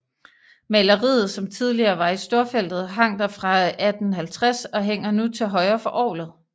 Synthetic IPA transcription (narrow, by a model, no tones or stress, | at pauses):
mælɐʁḭːð̩ˠsɒ̽mt͡sʰið̞ˠliɐːʋɑ̈isd̥o̝ːɐfel̰d̥ð̩ˠɦɑ̈ŋ̰d̥ɐfʁɑ̈æd̥n̩ɦælt͡sʰʁasɒ̽ɦeŋ̰ɐnut͡sʰe̝lɦɒ̽ɪɐfɒ̽ʔɒ̰ːlð̩ˠ